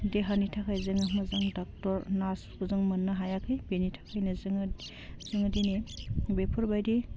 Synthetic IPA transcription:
deɦanitʰakʰajzɯŋɯmɯzɯŋdɔk̚tɔɾnaskʰuzɯŋmɐnːɯɦajakʰɯjbenitʰḁkʰajnɯzɯŋ | zɯŋdinebepʰuɾbajdi

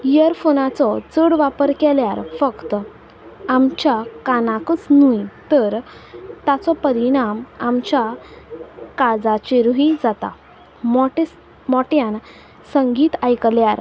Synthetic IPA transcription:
jəɾfonat͡sɔt͡səɽʋapəɾkɛljaɾfəkt̪ | amt͡ɕjakanakət͡snujt̪əɾt̪at͡sɔpəɾiɽ̃amamt͡ɕa | kad͡zat͡ɕeɾuɦid͡zat̪a̰ | mɔʈ | mɔʈjãn | səŋɡiːt̪ajkljaɾ

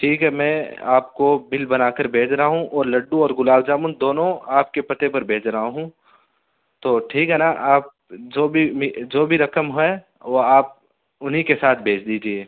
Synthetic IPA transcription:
ʈʰiːkɦɛmɛ̃a̰ːp̚kobɪlbɐnaːkəɾbʱeːt͡ʃɾɐɦaɦũʔɔːɾlɐɖːũɔːɾɡʊlaːwd͡ʒaːmũnd̪oːnõaːp̚kepɐt̪epɐɾbʱeːt͡ʃɾɐɦaɦũ | t̪oːʈʰiːkɦɛnaʔaːp̚d͡ʒoːbʱimid͡ʒoːbʱiɾɐkəmɦɛe | ʋoaːp̚ | ʊnɦikesaːt̪̚ʰbʱeːt͡ʃʰd̪iːd͡ʒieː

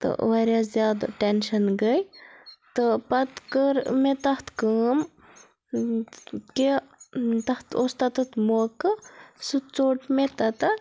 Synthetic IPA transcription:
t̪ɨ̰ʋɐɾjaːzjaːd̪ʈenʃɐnɡəjt̪ɨpɐt̪kəɾmet̪ɐht̪kəːm | ki | t̪ɐht̪ʰost̪ɐt̪ɨt̪mokɨsut͡soːʈmet̪ɐt̪ɐ

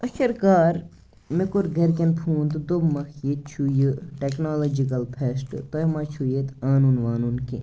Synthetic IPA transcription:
ɐʃɐɾkaːɾ | mikuɾɡʱɐɾkɐnpʰũːnd̪d̪obmɐxʰjet̪̚t͡ʃʰuːjɨʈeknaːloːd͡ʒikɐlpʰesʈt̪ɐɦmaːt͡ʃʰujet̪aːnuːnʋaːnunkḭ

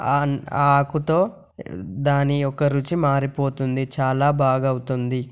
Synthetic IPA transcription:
aːkut̪o̞ː | d̪aːniɔkɐɾut͡ʃimaːɾipo̞ːt̪und̪it͡ʃaːlaːbaːɡɐwut̪und̪i

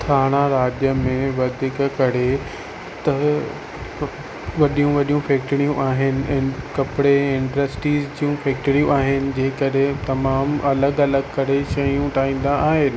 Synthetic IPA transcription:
t̪ʰaːɽ̃aɾaːd͡ʑjəmẽʋɐd̪ʱɪkkɐɾe | t̪ɐ | ʋɐɗijũʋɐɗijũfɛːk̚ʈɽijũʔaːɦɪnɪ̆ɪkɐpɪɽeɪ̃ɳɖɾəsʈiːzd͡ʑijũfɛːk̚ʈɾijũaːɦɪnɪ̆d͡ʑeːkɐɗet̪ɐmaːmɐləɡɐləɡkɐɾeʃɐjũʈaːĩːn̆d̪aaːɦɪnɪ̆

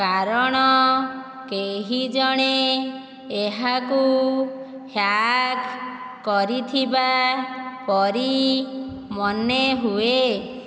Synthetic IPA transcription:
kaɾɔɽ̃ɔ | keɦid͡ʒɔɽ̃eː | ɦaku | hjak | kːɔɾit̪ʰiba | pɔɾi | mɔneɦue

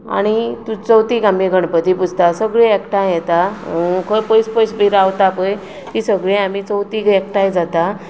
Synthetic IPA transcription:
a̰ɽ̃it̪ũt͡səwt̪iːɡamiɡʱəɳpət̪ipud͡zʱt̪asəɡɭẽekʈajjɛt̪akʰəjpəjspəjsbiɾawt̪apəj | t̪isəɡɭẽamit͡səwt̪iɡek̚ʈajd͡zat̪a

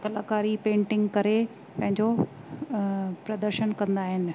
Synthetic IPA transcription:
kɐlaːkaːɾipẽːɳʈɪ̃ŋɡkɐɾe | pɐ̃ɦɪ̃ɲd͡ʑo | pɾɐd̪əɾʃənkɐ̃nd̪aːɦɪnɪ̆

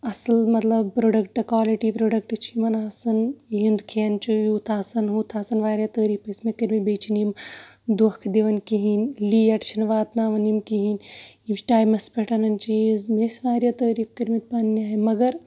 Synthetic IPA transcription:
ɐslmɐt̪lɐbpɾoːɖɐkʈɐkwaːliʈiːpɾoːɖɐk̚ʈt͡ʃʰimɐnaːsɐniɦind̪ukʰeːnt͡ʃʰujuːt̪ʰaːsɐnɦut̪ʰaːsɐnʋaːɾʲjaːt̪əːɾiːpɐsmekəɾmibeːt͡ʃʰinimd̪uhkʰd̪iʋɐnkiɦinliːɐʈt͡ʃʰinʋaːt̪naːʋɐnimkiɦinimsʈaːjmɐspeʈʰɐnɐnt͡ʃizmesʋaːɾjaːt̪əːɾiːk̚kəɾmit̪̚paːnnʲaːɦimɐɡɐɾ

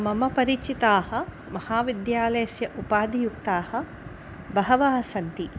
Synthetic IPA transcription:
mɐmɐpɐɾit͡ʃit̪aːhɐ̆ | mɐhaːʋid̪jaːlɐjɐsjɐʔupaːd̪ijukt̪aːhɐ̆ | bɐɦɐʋaːɦɐsɐnt̪i

